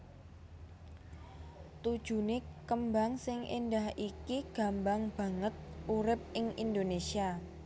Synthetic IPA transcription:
t̪ud̥ʒ̥ṳnekəmbaŋsɪŋʔindahikiɡ̥a̤mbaŋb̥ä̤ŋət̪̚uɾɪp̚ɪŋʔind̪onesia

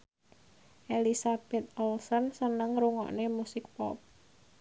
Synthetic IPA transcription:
ʔelisabɛt̪̚ɔlsɔnsənəŋɾuŋɔ̰ʔnemusɪk̚pɔ̰p̚

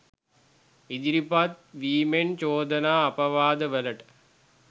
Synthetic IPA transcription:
id̪iɾipat̪̚ʋiːment͡ʃoːd̪ənaːɐpɐʋaːd̪əʋələʈə̥

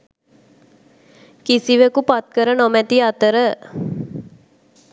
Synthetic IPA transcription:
kisiʋekupat̪̚kəɾənomɛt̪iat̪əɾə

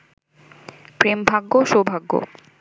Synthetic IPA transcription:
pɾembʱaɡːoʃobʱaɡːo̰

